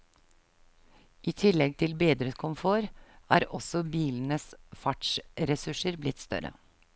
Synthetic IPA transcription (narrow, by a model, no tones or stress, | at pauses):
ʔiːt̪ʰɪlɛɡ̚t̪ʰɪlbeːd̪ɾəkʰʊmfoːɾæ̰ːɾɔsɔbiːln̩əsfɑʈʃɾɛsʉʂəɾblɪt̪st̪œ̰ɾə̰